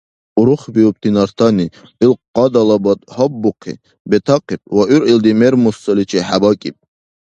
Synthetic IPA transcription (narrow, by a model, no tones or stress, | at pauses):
uɾuχbiup̚t̪ʰinaɾt̪ʰani | ilqʼɑd̪ɑlabɔt̪ʼhɔbːuqʰḭ | bɛt̪ʰɑqʰipʼwaʔyɾild̪imɛɾmusːɔlit͡ʃʰɛħabakʼip̚ʼ